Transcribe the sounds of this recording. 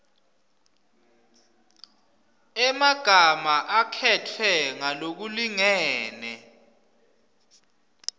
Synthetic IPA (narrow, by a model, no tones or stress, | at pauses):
ɛmaɡ̥ʱamaʔakʰɛtʰwɛŋalok̬uliŋɛːnɛ